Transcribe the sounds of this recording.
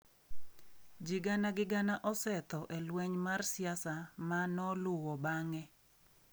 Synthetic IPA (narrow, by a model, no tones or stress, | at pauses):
d͡ʒɪɡanaɡɪɡanaʔɔsɛt̪ɔʔelwɛɲmarsɪasamanɔlʊwɔbaŋɛ